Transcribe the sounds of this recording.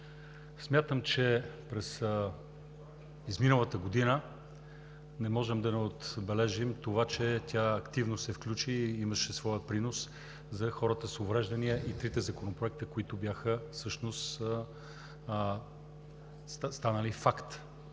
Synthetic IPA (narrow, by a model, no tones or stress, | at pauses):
smʲjat̪əmt͡ʃɛpɾɛs | izminəlˠət̪əɡod̪inə | nɛmɔʒɛmd̪ɐnɛot̪bɛlɛʒimt̪ovat͡ʃɛt̪ʲʰaɐkt̪ivnosɛfklʲut͡ʃiiməʃɛsvɔjəpɾinos | zɐxɔɾət̪əsovɾɛʒd̪ɐniəʔit̪ɾit̪ɛzɐkonopɾoɛk̚t̪əkoit̪ʊbjaxəfsɤʃnost̪ | st̪anəlifakt̪